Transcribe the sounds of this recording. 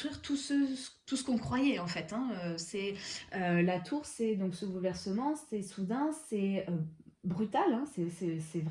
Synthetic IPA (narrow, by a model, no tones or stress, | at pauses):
χiʁt̪ʰusə̥t̪usə̥kɔ̃kχwajɛɑ̃fɛt̪ɛ̃øsɛølat̪ʰuʁsɛd̪ɔ̃ksəɡulvɛʁsəmɑ̃sɛsud̪ɛ̃sɛøbʁyt̪alɛ̃sɛsɛsɛvʁ